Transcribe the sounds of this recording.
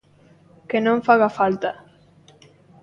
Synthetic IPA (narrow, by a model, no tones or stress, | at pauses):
kenõɱfaɣafalt̪a